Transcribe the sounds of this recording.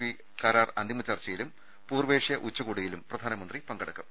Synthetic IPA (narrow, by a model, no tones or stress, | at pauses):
i | kaːɾaːrɐnd̪ʱimɐt͡ɕɐrt͡ɕɐjilum | puːrʋeːʂjɐʔut͡ɕːɐɣuːɽujilumprɐd̪ʱaːnɐmɐnd̪ripɐŋɡɐɽɐkːɨ̥